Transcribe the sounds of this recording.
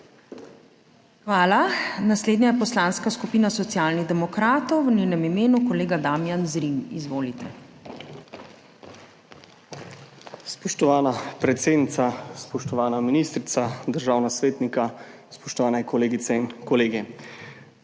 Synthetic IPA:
xʋaːlanasleːd̪nɲajɛpɔslaːnskaskupiːnasɔt̪sjaːlniɣd̪ɛmɔkɾaːt̪ɔwʋninɛmimeːnukɔleːɡad̪aːmjanzɾimizʋoːlit̪ɛ | spɔʃt̪ɔʋaːnapɾɛt̪seːd̪nit̪saspɔʃt̪ɔʋaːnaminiːst̪ɾit̪sad̪əɾʒaːwnasʋeːt̪nika | spɔʃt̪ɔʋaːnɛkɔleːɡit̪sɛinkɔleːɡi

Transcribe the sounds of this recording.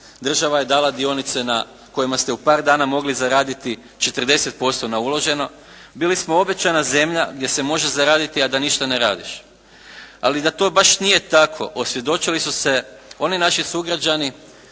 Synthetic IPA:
d̪r̩ʒaʋaje̞d̪aːlad̪io̞nit̪se̞na | ko̞jimast̪eupaːɾd̪aːnamo̞ɡlizaɾaːd̪it̪i | t͡ʃe̞t̪r̩d̪e̞se̞t̪̚po̞st̪o̞naulo̞ʒe̞no̞ | biːlismoo̞be̞t͡ɕanaze̞mʎaɡd̪ʲjese̞mo̞ʒe̞zaɾaːd̪it̪iad̪aniʃt̪aneɾaːd̪iʃ | a̰lid̪at̪o̞ːbaʃnije̞t̪akʰo̞̰ʔosʋje̞d̪o̞t͡ʃilisuse̞o̞ninaʃisuɡɾad͡ʑani

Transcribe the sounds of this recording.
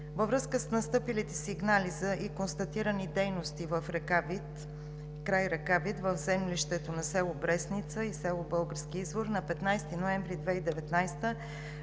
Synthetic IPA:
vəvɾɤskəsnɐst̪ɤpilit̪ɛsiɡnalizəʔikonst̪ɐt̪iɾənid̪ɛjnost̪ivəfɾɛkavit̪ | kɾajɾɛkavit̪vəvzɛmlʲiʃt̪ɛt̪onɐsɛlˠobɾɛsnit̪səisɛlˠobɤlˠɡəɾskiizvoɾnɐpɛt̪najst̪inoɛɱvɾid̪vɛid̪ɛvɛt̪najst̪ə

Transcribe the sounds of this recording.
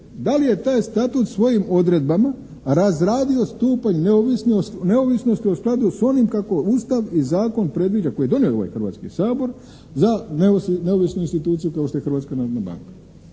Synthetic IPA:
d̪alije̞t̪aːjst̪at̪ut̪sʋo̞jimo̞d̪ɾe̞d̪̚bama | ɾazɾaːd̪io̞st̪uːpaɲneoʋisnione̞oʋisno̞st̪io̞sklˠad̪uso̞nimkako̞uːst̪aʋizaːko̞npɾe̞d̪ʋid͡ʒako̞jijed̪o̞nioo̞ʋa̰jxr̩ʋa̰t̪skḭsaːbo̞ɾ | zaneneo̞ʋisnuinst̪it̪uːt̪sijukao̞ʃt̪o̞jexr̩ʋat̪skanaɾod̪naba̰ŋkḁ

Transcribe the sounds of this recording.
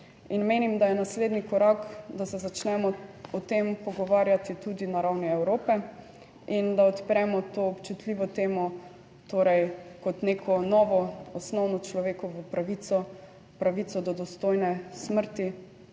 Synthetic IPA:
inmeːnimd̪ajɛnasleːd̪nikɔɾakd̪asɛzat͡ʃnɛmɔɔt̪empɔɡɔʋaːɾjat̪it̪ud̪inaɾawniɛwɾoːpɛ | ind̪aɔt̪pɾɛmɔt̪oɔpt͡ʃut̪liʋɔt̪eːmɔ | t̪oːɾɛjkɔt̪nekʰɔnɔːʋɔɔsnɔwnɔt͡ʃlɔʋeːkɔʋəpɾaʋisɔ | pɾaʋit̪sɔd̪ɔd̪ɔst̪ojnɛsməɾt̪i

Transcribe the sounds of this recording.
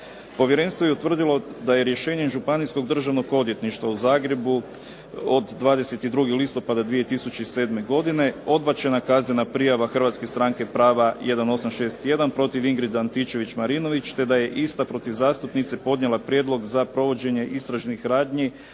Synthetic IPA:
po̞ʋje̞ɾenst̪ʋo̞jeut̪ʋr̩d̪ilˠo̞d̪aje̞ɾje̞ʃe̞ːɲemʒupanisko̞ɡd̪r̩ʒaʋno̞ɡo̞d̪je̞t̪niʃt̪ʋauzaːɡɾe̞bu | od̪ːʋaːd̪e̞se̞t̪id̪ɾuɡilist̪o̞pad̪ad̪ʋije̞t̪isut͡ɕeise̞ːd̪me̞ɡo̞d̪ine̞o̞d̪̚bat͡ɕe̞nakazɲenapɾijaʋaxr̩ʋat̪skest̪ɾaŋkepɾaːʋaje̞d̪ano̞samʃe̞ːst̪je̞d̪anpɾo̞t̪iʋiŋɡɾid̪ant̪it͡ʃe̞ʋit͡ɕmaɾino̞ʋit͡ʃt̪e̞d̪aje̞ʔist̪apɾo̞t̪iʋzaːst̪upnit̪sepo̞d̪ɲe̞lˠapɾje̞d̪lo̞ɡzapɾo̞ʋo̞d͡ʑe̞ɲe̞ʔist̪ɾaʒnixɾaːd̪ɲi

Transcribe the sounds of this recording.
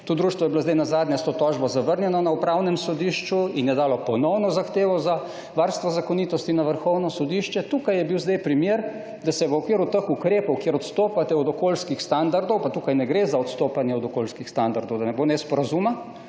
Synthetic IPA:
t̪oːd̪ɾuːʃt̪ʋɔjɛbilozd̪ɛjnazaːd̪nʲjɛst̪oːt̪ɔːʒbɔzaʋəɾnjɛnɔnaupɾawnɛmsɔd̪iʃt͡ʃuinjɛd̪aːlɔpɔnɔwnɔzaxt̪eːʋɔza | ʋaɾst̪ʋɔzakɔniːt̪ɔst̪inaʋəɾxɔwnɔsɔd̪iʃt͡ʃɛt̪ukajɛbiwzd̪ajpɾimjeːɾ | d̪asɛʋəɔkʋiːɾut̪əxukɾeːpɔwkjeɾɔt̪st̪oːpat̪ɛɔd̪ɔkoːlskixst̪and̪aɾd̪ɔwpat̪uːkajnɛɡɾezaɔt̪st̪oːpanjɛɔd̪ɔkolskixst̪and̪aɾd̪ɔwd̪anɛbonɛspɔɾazuma

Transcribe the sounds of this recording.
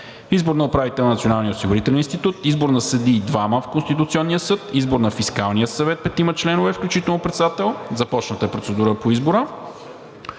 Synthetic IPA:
izboɾnɐopɾavit̪ɛlˠnnɐt̪sionalˠnijəosiɡʊɾit̪ɛlʲɛninst̪it̪ut̪izboɾnɐsəd̪iːd̪vaməfkonst̪it̪ʊt̪siɔnːijəsɤt̪izboɾnɐfiskalˠnijəsɐvɛt̪̚pɛt̪imət͡ʃlɛnovɛfklʲut͡ʃit̪ɛlˠnopɾɛt̪sɛd̪at̪ɛlˠzɐpɔt͡ʃnət̪əɛpɾot̪sɛd̪uɾəpoizboɾə

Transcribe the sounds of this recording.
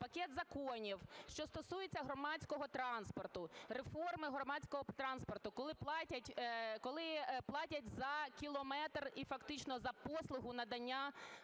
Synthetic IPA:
pɐkʲɛt̪zɐkɔnʲiwʃt͡ʃɔst̪ɔsujet͡sʲːɐɦɾɔmɑt͡sʲkɔɦɔt̪ɾɑnspɔrt̪ʊɾefɔrmɪɦɾɔmɑt͡sʲkɔɦɔt̪ɾɑnspɔrt̪ʊkɔlˠɪplˠɑtʲɐtʲkɔlˠɪplˠɑtʲɐtʲzɐkʲilˠɔmɛt̪rifɐkt̪ɪt͡ʃnɔzɐpɔslˠʊɦʊnɐd̪ɐnʲːa

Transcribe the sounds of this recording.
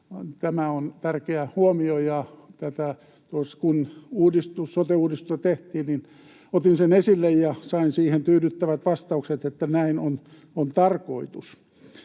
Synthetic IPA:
t̪æmæont̪ærkeæhuomiojɑt̪æt̪æ | t̪uoskunuːdist̪ussot̪euːdist̪ust̪ɑt̪eht̪iːnnin | ot̪insenesilːejjɑsɑinsiːhent̪yːdyt̪ːæʋæt̪ʋɑst̪ɑukset̪et̪ːænæinon | ont̪ɑrkoit̪us

